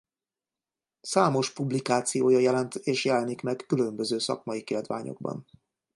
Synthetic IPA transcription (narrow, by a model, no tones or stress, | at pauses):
saːmo̞ʃpublikaːt̪sijoːjɒjɛlɛnt̪eːʃjɛlɛnikmɛkːylø̞mbø̞zøːsɒ̰kmɒikeld̪ʋa̰ːɲo̞̰ɡ̚bɒ̰n